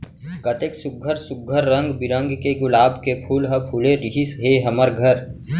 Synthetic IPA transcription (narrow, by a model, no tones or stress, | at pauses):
kət̪eksʊɡʱəɾsʊɡʱəɾːə̃ŋɡbɪɾə̃ŋɡkeɡʊlaːbkepʰuːlɦɐ̃pʰuleɾɪɦisɦeɦɐməɾɡʱəɾ